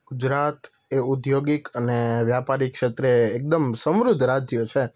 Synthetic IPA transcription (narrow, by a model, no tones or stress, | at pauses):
ɡ̥ud͡ʒɾat̪ | eud̪joɡikəneʋjapaɾikʃet̪ɾeːk̚d̪əmsə̃mɾʊd̪ʱɾad͡ʒjot͡ʃʰe